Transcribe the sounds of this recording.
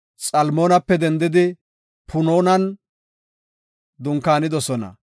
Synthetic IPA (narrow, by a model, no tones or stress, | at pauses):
sʼɐlmo̞ːnɐpːɛd̪ɛnd̪ɪd̪ɪ | pʰʊno̞ːnɐn | d̪ʊŋkːaːnɪd̪ɔsɔnɐ̰